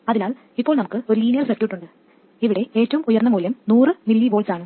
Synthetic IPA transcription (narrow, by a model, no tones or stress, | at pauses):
ɐðinaːl | ipːo̞ːɭnɐmukːɨo̞ɾuliːnijɐrsekːjuːʈːuɳɖɨ | iʋiɽe̞e̞ːtːɐʋumujɐrnːɐmuːlɐmnuːrɨmilːiʋoːɭsaːɳɨ